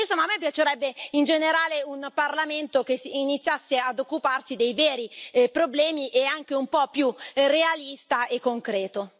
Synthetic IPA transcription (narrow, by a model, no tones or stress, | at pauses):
insomːaːmːɛp̬ːjat͡ʃeɾɛbːeind͡ʒeneɾaːleunparlament̪ok̟esinit̪sːjasːead̪okːuparsid̪ejvɛːɾipɾoblɛːmiʔeaŋk̟eumpɔpːjurealist̪aekːoŋkɾɛːt̪o